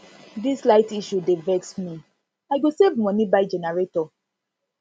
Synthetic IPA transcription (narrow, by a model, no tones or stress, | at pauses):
dislaɪtiʃudevɛksmi | aɪɡosevmɔ̃nibaɪd͡ʒɛnɛɹetɔ